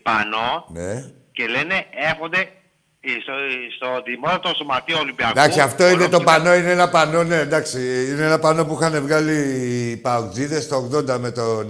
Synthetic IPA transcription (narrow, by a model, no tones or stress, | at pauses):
pɐ̰no̞ne | ce̞lene̞exond̪e | sst̪oðimot̪ɐt̪oso̞mat̪ioolimbiɐd̪ɐksiɐft̪o̞inet̪o̞pɐno̞ineenɐpɐno̞ne̞nd̪ɐksiineenɐpɐno̞puixɐne̞vɣɐlipɐokziðe̞st̪oːɣt̪o̞nd̪ɐme̞t̪on